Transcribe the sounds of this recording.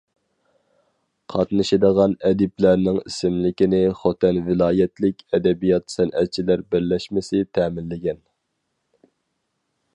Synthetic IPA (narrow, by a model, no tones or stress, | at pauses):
qʰɑt̪nɨʃɪd̪əʁɑnɛd̪ɪplæɾnɪŋisɪmlɪkʲinɪχot̪ʰɛnvɪlˠɑːjɛt̪lɪkʲʰɛd̪ɛbijɑt̪sɛnʔɛt̪̚t͡ʃʰilæɾbɪɾlɛʃmɪsɪt̪ʰɛːmɪnlɪɡʲɛn